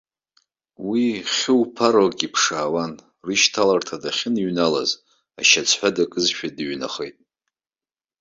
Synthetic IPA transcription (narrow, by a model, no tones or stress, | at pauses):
wiχʲɪwpʰaɾokʼipʰʂaːwan | rɨʃtʰalartʰadaχʲɪniɥnala̰z | a̰ʃat͡sʷʰħʷadakʼɨzʃᶣadɥna̰χḛjtʼ